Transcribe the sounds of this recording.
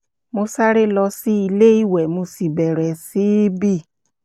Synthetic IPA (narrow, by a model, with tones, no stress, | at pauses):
mo˧sa˦ɾe˦lɔ˧si˦i˧le˦i˦˨wɛ˨mo˧si˨bɛ˨ɾɛ˨si˨˦bi˦˨